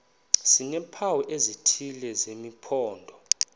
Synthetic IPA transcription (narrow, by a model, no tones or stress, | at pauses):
sinɛpʰawɛʔezitʰilɛzemipʰɔːndʱɔ